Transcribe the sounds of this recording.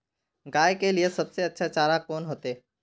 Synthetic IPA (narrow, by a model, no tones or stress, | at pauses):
ɡaːjkelijesəbseətːʃʰat͡ʃaːɾakoːnɦoːt̪eː